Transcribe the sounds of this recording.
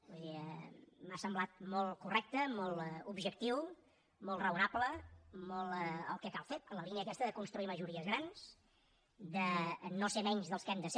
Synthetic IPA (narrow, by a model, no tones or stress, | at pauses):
uðiə̰masəmblat̪̚mɔlˠkurɛk̚t̪əmɔlˠubʒək̚t̪iw | mɔlˠt̪rəunapləmɔlˠəə̰lˠkɛkalˠfeələliniəkɛst̪əðəkunst̪ɾuiməʒuɾiəzɣɾans | d̪ənosemɛɲzðəlˠskɛmd̪əs